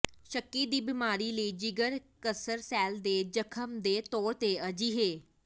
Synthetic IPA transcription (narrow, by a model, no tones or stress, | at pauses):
ʃəkːiːd̪iːbɪmaːɾiːləiːd͡ʒɪɡəɾkəsəɾsɛːld̪eːd͡ʒəkʰəmd̪eːt̪ɔːɾt̪eːəd͡ʒiːɦeː